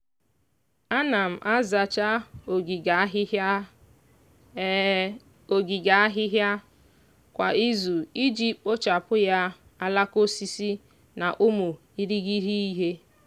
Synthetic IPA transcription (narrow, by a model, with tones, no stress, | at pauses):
a˦na˨m̩˨ʔa˦za˨t͡ʃa˦˨˦ | ɦ | o˨ɡi˨ɡa˨a˦ɦɪ˦ɦja˦ | kʷa̰˨i˦zu˨i˦d͡ʒi˦o˦t͡ʃa˨pʊ˦ja˦ | a˦la˦ko˦si˦si˦ | na̰˨ʔʊ˦mu˨ | i˦ɾi˦ɣi˦ɦi˦i˦ɦe˦